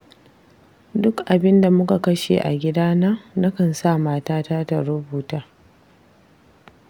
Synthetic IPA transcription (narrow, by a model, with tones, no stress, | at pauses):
dʊ˦kʔa˨bɪ˦nda˨mʊ˦ka˨kɐ˦ʃḛː˨ʔa̰˨ɡʲɪ˦daː˦nɐ˦ŋna˦kɐ˨nsa˦˨maː˦taː˦taː˦ta˨ɽʊ˦buː˨taː˦